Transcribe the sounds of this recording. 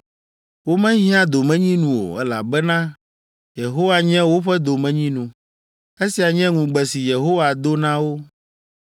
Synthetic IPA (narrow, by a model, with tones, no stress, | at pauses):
wo˦mɛ̃˦ɦĩ˦ã˦d̪o˨mɛ̃˦ɲĩ˦nũ˨wo̰˨ɛ̰˦la̰˨bɛ˦nã˦ | je˨ɦo˦wa˨ɲɛ̃˦wo˦ɸɛ˦d̪o˨mɛ̃˦ɲĩ˦nũ˨ | e˦si˨a˨ɲɛ̃˦ŋũ˨ɡ͡bɛ˨si˨je˨ɦo˦wa˨d̪o˦nã˦wo˦